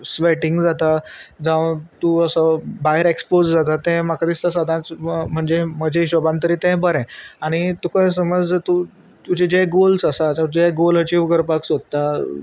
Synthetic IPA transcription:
sʋeʈiŋɡd͡zat̪ad͡zãʋt̪uəsəbajəɾekspod͡zd͡zat̪at̪ɛ̃makʰad̪ist̪əs̬əd̪ʱãt͡sm̤əɳd͡zeməd͡ʑʱeɕɔbãnt̪əɾiːt̪ɛ̃bəɾɛ̃aɽ̃it̪ukəjs̬əməd͡zət̪u | t̪ut͡ɕed͡ʑeɡolsasat͡ɕad͡ʑeɡolɦət͡ɕiʋkəɾpaksod̪̚t̪a

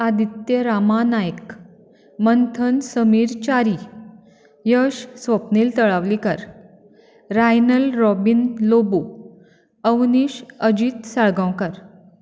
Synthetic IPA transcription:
ad̪it̪jəɾamanajk | mənt̪ʰənsəmiːɾt͡ɕaɾi | jəɕsʋəpniːlt̪əɭaʋlikəɾ | ɾajnəlɾɔbinlobu | əwniːɕəd͡ʑiːt̪saɭɡãwkəɾ

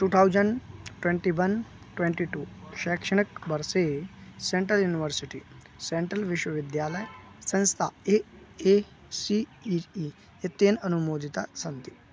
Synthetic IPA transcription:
ʈuːt̪ʰawzəɳɖʈʋẽɳʈiʋɐn | ʈʋẽɳʈiʈuːʃɛkʂɐɳ̃əkbɐɾsesẽɳʈɾəljuːniʋəɾsiʈi | sẽɳʈɾəlʋɪʃwəʋɪd̪jaːləj | sɐ̃nst̪ʰa̰ee | siii | jet̪eːnɐnumoːd̪ʱit̪asɐnt̪i̥

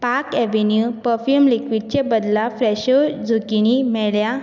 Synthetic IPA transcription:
paɾkɛʋenjupəɾfjumlikʋiɖ̚t͡ɕebəd̪lafɾɛɕod͡zʱukinimɛɭja

